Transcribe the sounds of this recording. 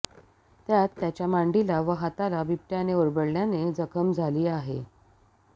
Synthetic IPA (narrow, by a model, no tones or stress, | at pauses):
t̪jat̪ːjat͡ɕjamaɳɖilaʋəɦat̪alabip̚ʈ̪janeoɾbəɽljaned͡zəkʰəmd͡zʱaliːaɦḛ